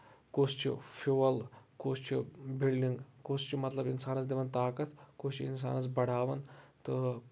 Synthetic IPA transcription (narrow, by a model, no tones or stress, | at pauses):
kost͡ʃʰḭfʰiʋɐlkost͡ʃʰibilɖiŋɡkost͡ʃʰimɐt̪lɐbinsaːnɐt͡sd̪iʋɐnt̪aːkɐt̪ʰkost͡ʃʰiinsa̰ːnɐt͡sbɐɽ̤aːʋɐnt̪ɨ